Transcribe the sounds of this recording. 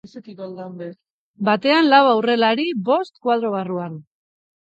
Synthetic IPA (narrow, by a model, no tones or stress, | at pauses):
esekikold̪ambe | bat̪e̞anlawawre̞laɾibo̞st̪kwað̞ɾo̞β̞aruan